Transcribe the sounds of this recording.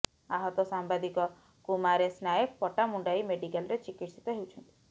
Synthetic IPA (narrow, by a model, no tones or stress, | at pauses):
aɦɔt̪ɔsambad̪ikɔ | kumaɾesnajek̚pɔʈamuɳɖajmeɖikalɾet͡ʃikiʈsi̥t̪ɔɦewt͡ʃʰɔnt̪i̥